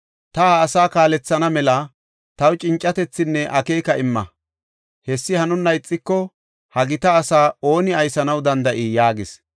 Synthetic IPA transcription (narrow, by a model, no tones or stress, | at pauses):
t̪ɐhɐːsaːkaːlɛt͡sːɐnɐmɛlɐ | t̪ɐwt͡ʃʼɪnt͡ʃʼːɐt̪ɛt͡sːɪnːɛʔɐkeːkɐʔɪmːɐ̰ | hɛsːɪhɐnʊnːɐjɪt͡sʼːɪkːɔ | hɐɡɪt̪ɐːsaːo̞ːnɪɐjsɐnɐwd̪ɐnd̪ɐʔijaːɡɪs